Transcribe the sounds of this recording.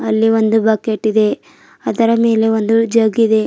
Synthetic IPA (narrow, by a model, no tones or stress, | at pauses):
ɐlːiʋo̞nd̪ubɐːkeʈːid̪e̞ | ɐd̪ɐɾɐme̞ːle̞ond̪ud͡ʒɐːɡid̪e̞